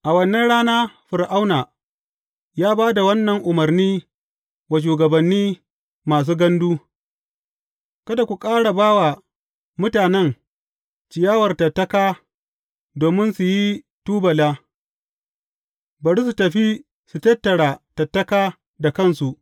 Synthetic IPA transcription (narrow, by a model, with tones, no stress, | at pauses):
ʔa˨wɐ˨nːɐ˦nɽaː˦naː˦ɸɪ˨ɾʔa˦wna˨ | jaː˦baː˦da˨wɐ˦nːɐ˨ŋʔʊ˨mɐ˨rniː˦ | wa˨ʃ̬uː˨ɡɐ˨bɐ˨nːiː˦ | maː˨s̬uː˦ɡɐ˦nduː˦ | kɐ˦da˨kʷu˨kʼaː˦ɽa˨baː˦wa˨ | mʊ˦taː˨nɛ˦ŋ | t͡ʃɪ˨jaː˦wɐ˨rtɐ˨tːɐ˦kaː˦ | doː˨mɪ˦nsu˨ji˦ | tuː˦bɐ˨laː˦ | bɐ˨ɽi˦s̬u˨tɐ˨ɸi˦ | su˨tɐ˦tːɐ˨ɽaː˨tɐ˨tːɐ˦kaː˦ | da˨kɐ˦˨nsu˨ʔ